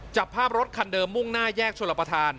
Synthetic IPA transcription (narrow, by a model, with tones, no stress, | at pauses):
t͡ɕa˨˩pʰːaː˥˩p̚ɾo˦˥t̪̚kʰa˧ndɤː˧mːu˥˩ŋnaː˥˩jɛː˥˩k̚t͡ɕʰo˧la˨˩pɾa˧t̪ʰaː˧n